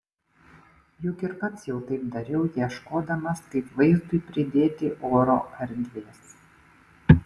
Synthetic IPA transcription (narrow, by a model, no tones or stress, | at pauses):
jʊkʲɪɾkɐsjɛʊt̪ɐɪpd̪ɐɾʲɛʊjiɛʃkoːd̪ɐmɐskɐɪpʋɐɪzd̪ʊɪpʲɾʲɪd̪ʲeːt̪ʲɪʔoːɾo̰ːʔɐɾʲd̪ʲd̪ʲʋʲeːs